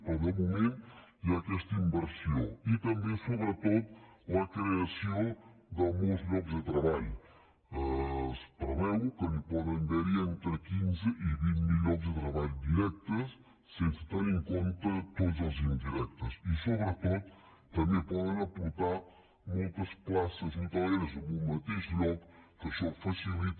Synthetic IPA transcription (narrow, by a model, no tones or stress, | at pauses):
pəlɡomumẽnt̪iakɛst̪əimbəɾsjoit̪ɐmbesoβɾət̪ot̪̚ləkɾeasiod̪əmolˠzʎɔkzd̪ət̪ɾəβaʎ | əspɾəβɛwkəlipɔðənd̪ɛɾient̪ɾəkinzəʔiβinmiʎɔkzd̪ət̪ɾəβaʎd̪iɾɛk̚t̪əsː | ensə̥t̪eɾiŋkont̪ət̪ot̪zəlˠzind̪iɾɛk̚t̪əsisoβɾət̪ot̪̚ː | ɐmepɔðənɐpuɾt̪a | molˠt̪əsplasəzit̪aβajeɾzomumət̪eʃʎɔkːəsɔfɐsilit̪